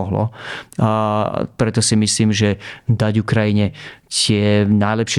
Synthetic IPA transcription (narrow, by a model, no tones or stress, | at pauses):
ɔɦlɔ̰ | pɾɛt̪ɔsimisliːmʒɛd̪aɟukɾajiɲɛtɪɛnajlɛpʃɛ